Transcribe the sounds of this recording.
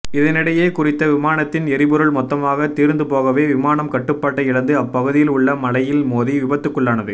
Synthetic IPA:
ɪðɐnɪɽɐjeːkʊrɪt̪ːɐʋɪmaːnɐt̪ːɪnɛɾɪbɯɾɯɭmɔt̪ːɐmaːɣɐt̪iːɾnd̪ɯpoːɣɐʋeːʋɪmaːnɐmkɐʈːɯpːaːʈːɐjɪɽɐnd̪ɯɐpːɐɣɯðɪjɪlʊɭːɐmɐlɐjɪlmoːðiʋɪbɐt̪ːɯkːɯɭːaːnɐðɯ

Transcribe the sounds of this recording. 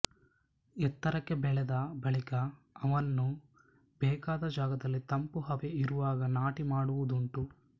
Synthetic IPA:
ɛt̪ːɐɾɐkːe̞bɛɭɛd̪ɐbɐɭikɐː | ʋɐnːu | bɛːkaːd̪ɐd͡ʒaːɡɐd̪ɐlːit̪ɐmpuɦɐʋeiɾuʋaːɡɐnaːʈimaːɽuʋud̪uɳʈu

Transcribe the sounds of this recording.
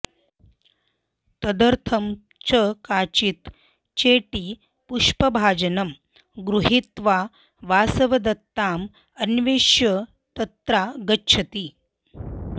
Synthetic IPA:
t̪ɐd̪əɾt̪ʰɐm | t͡ʃəkaːt͡ɕit̪ | t͡ɕeːʈiː | puʂpɐbʱaːd͡ʑɐnɐm | ɡɾuɦit̪ʋa | ʋaːsɐʋɐd̪ɐt̪ːaːm | ɐnʋeːʃjə | t̪ɐt̪ɾaɡətːɕʰɐt̪iː

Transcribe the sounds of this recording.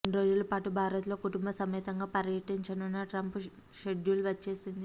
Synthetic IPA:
nɾo̞ːd͡ʒulɐpaːʈubʱaːɾɐt̪lo̞ːkuʈumbɐsɐmiːt̪ɐŋɡaːpɐɾjɐʈiɲt͡ʃɐnunːɐʈɾɐmp | ʃeɖjuluʋɐt͡ʃːe̞ːsind̪i

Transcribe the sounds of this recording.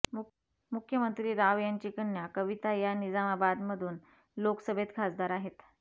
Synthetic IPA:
mukʰjəmənt̪ɾiːɾaʋjaɲt͡ɕikənjakəʋit̪ajanid͡zamabad̪məd̪ʱuːn | loksəbʱet̪ɡʰʱasd̪aɾaɦet̪

